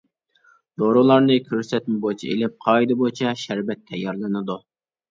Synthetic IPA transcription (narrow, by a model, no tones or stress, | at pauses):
d̪oɾʊlˠɑɾnɨkʲʰøɾsɛt̪̚mɪbot͡ʃʰḭḛlɪp̚qʰɑːid̪ɨbot͡ʃʰɛʃæɾbɛt̪ʰːɛjːɑɾlˠɨnɨd̪u